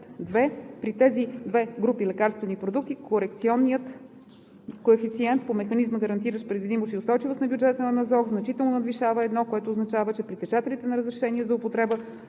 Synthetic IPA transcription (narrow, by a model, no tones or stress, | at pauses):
d̪vɛpɾit̪ɛzid̪vɛɡɾupilɛkaɾst̪vɛnipɾod̪uk̚t̪ikʰoɾɛkt̪siɔnːiət̪ | koɛfit̪siɛnt̪pomɛxɐnizməɡəɾɐnt̪iɾəʃpɾɛd̪vid̪imoʃt̪iʊst̪ɔjt͡ʃivosnɐbʲjud͡ʒɛt̪ənɐnɐzɔɡznɐt͡ʃit̪ɛlˠnonəd̪viʃavəɛd̪nɔkoɛt̪oːznɐt͡ʃavət͡ʃɛpɾit̪ɛt͡ʃat̪ɛlit̪ɛnɐɾəzɾɛʃɛniɛzɐopot̪ɾɛbə